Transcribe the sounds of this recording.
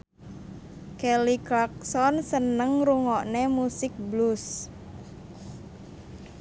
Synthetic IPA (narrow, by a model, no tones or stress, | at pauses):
kɛliklak̚sɔnsənəŋɾuŋɔʔnemusɪk̚blus